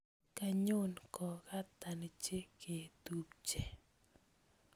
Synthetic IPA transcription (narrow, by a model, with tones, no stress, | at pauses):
ka˦ɲo˦nkɔ˨ka˦t̪a˨nɪ˨t͡ʃe˦kʰe˨t̪u˨pt͡ʃe˨